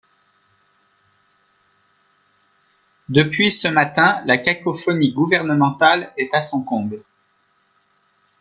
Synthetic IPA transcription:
d̪əpɥisəmat̪ɛ̃lakakɔfɔniɡuvɛʁnəmɑ̃t̪alɛt̪asɔ̃kɔ̃bl

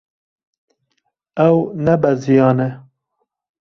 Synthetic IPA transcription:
ɛwnɛbɛzijɑːnɛ

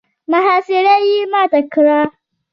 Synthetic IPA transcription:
maɦaːsɪɾajiːmaːtakɾaː

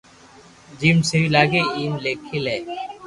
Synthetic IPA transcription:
d͡ʒimseilaːɡeiːmleːkʰileː

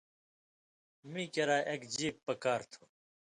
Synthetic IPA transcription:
mĩːkɐɾaːʔekd͡ʑiːppːɐkaːɾt̪ʰu̥

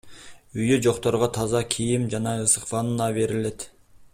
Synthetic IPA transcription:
yjed͡ʒo̞qt̪oɾʁɑt̪ʰɑzɑkʲʰijɪmd͡ʒɑnɑɯsə̥qfɑnɯnɑve̞ɾɪle̞t̪

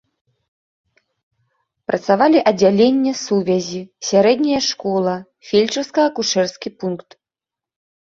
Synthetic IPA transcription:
pɾʔɐt̪savalʲiʔɐd͡zʲalʲenʲːɛsuvʲɛzʲisʲaɾɛd̪nʲɐjɐʂkɔlˠɐ | fʲelʲt͡ʂɐwskɐɣɐkuʂɛrskʲipunkt̪

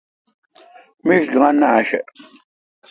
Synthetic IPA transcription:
miʃɡəŋanaʃɛ̰

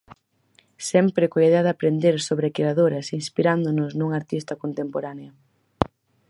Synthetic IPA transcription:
sɛmpɾɪkoiðeɐðapɾend̪eɾsoβɾekeɾaðoɾɐsinspiɾand̪ʊnʊsnuŋaɾt̪ist̪ɐkont̪empoɾaneɐ

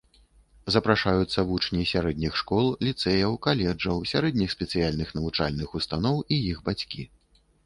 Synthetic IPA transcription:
zɐpɾaʂajut̪sːɐvut͡ʂnʲisʲaɾɛd̪ʲnʲixʂkɔlˠlʲit̪sɛjɐwkalʲɛd͡ʐɐwsʲaɾɛd̪ʲnʲixsʲpʲɛt̪sɨjalʲnɨxnɐvut͡ʂa̰lʲnɨxust̪anɔwijixbat͡sʲkʲi

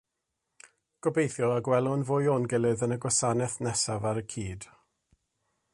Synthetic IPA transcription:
ɡ̥ɔbejθjɔaɡwɛlˠʊnvoːjonɡɛlˠɨðənəɡwasanɛθnɛsavaɾəkʰiːd̥

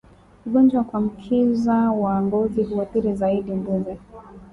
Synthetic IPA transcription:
uɡɔnd͡ʒwakwam̩kʰizawaːŋɡɔziɦuwaθiɾizaiɗimbuzɛ

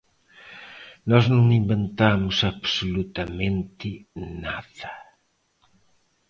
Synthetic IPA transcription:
nɔznõŋimbent̪amʊsaβsulut̪ɐmẽnt̪ɪnaðɐ

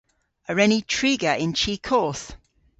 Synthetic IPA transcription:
əɹɛnitʰɹ̥iːɡəʔɪ̃nt͡ʃʰiːkʰɔˑθ

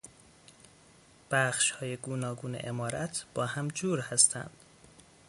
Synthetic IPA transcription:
b̥æχʃhɒːjeɡuːnɒːɡuːnḛʔemɒːɾæt̪ʰb̥ɒːhæmd͡ʒuːɾhæst̪ʰæ̰nd̪̥

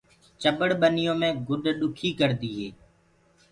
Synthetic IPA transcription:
t͡ʃəbəɽɓənɪjõːmẽːɡʊɗɗʊkʰiːkəɾd̪iːɦeː

